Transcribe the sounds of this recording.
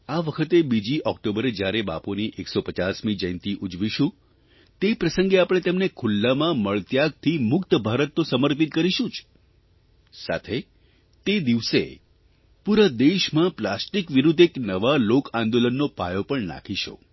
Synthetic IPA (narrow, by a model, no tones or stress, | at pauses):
aʋəkʰət̪ebid͡ʒiʔɔkʈobəɾed͡ʒjaɾeba̰poniʔeksopət͡ʃasmid͡ʒəjnt̪iʔud͡ʒʋiʃũ | t̪epɾəsəŋɡeapɽ̃et̪emnekʰulːamãməɭt̪jaɡ̚t̪ʰimʊkt̪əbʱaɾət̪nõsəməɾpit̪̚kəɾiʃũt͡ʃʰ | sa̰t̪ʰe | t̪ed̪iʋse | puɾad̪eʃmãplasʈikʋiɾud̪ʱeknəʋalokãnd̪olənːopajopəɳna̰kʰiʃo̰